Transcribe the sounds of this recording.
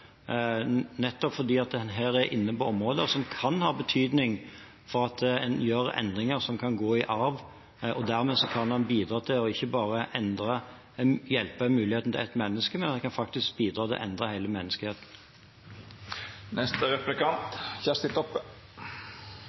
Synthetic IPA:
nɛt̪ːɔpfɔʁd̪iːɑt̪̚d̪ɛnɦæːɾæɾʔɪ̰nːəpɔɔmʁoːd̪əɔsɔmkʰɑnhɑːbət̪ʰyːd̪nɪŋ | fɔɾɑt̪̚d̪ɛɛnjøːɾɛ̰nd̪ʁɪŋəsɔmkʰɑnɡoːɪʔɑɾʋ | ɔd̪æʁmeːsɔkʰɑnhɑnbiːd̪ɾɑːt̪ʰɪlɔɪçːəbɑːʁəʔɛnd̪ʁə | jɛlpəmʉːlɪheːt̪n̩t̪ʰɪ̰æɪt̪mɛnːəskəmɛnɑkʰɑnfɑk̚t̪ɪsk̚biːd̪ɾɑːt̪ɪ̰lʔɛ̰nd̪ʁəhæɪləmɛnːəskheːt̪n̩ | nɛst̪əɾɛplɪkɑnt̪çæst̪ɪt̪ɔpːə

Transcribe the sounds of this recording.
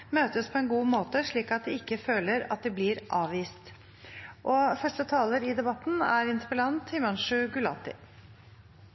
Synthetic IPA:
møːt̪əspʰɔɛnɡuːmoːt̪əʂɭiːkɑt̪̚d̪ɛɪkːəføːləɾɑ̰t̪̚d̪ɛblɪɾʔɑːʋʋiːst̪ | ʔɔfœʂʈət̪ʰɑːləɾɪd̪ɛbɑt̪ːn̩æ̰ɾɪnspəlɑnt̪hɪmɑnʂʉɡʉlɑ̰t̪ɪ̰

